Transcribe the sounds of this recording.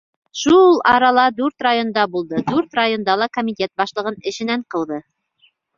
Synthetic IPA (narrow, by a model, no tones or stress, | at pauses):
ʃulˠɑɾɑlˠɑd̪ʉɾt̪rajond̪ɑbulˠd̪ɤd̪ʉɾt̪rajo̞nd̪ɑlˠɑkomʲitʲe̞t̪̚bɑʃlˠɤ̆ʁɤnɘ̆ʃɘ̆næɴqɤ̆lˠd̪ɤ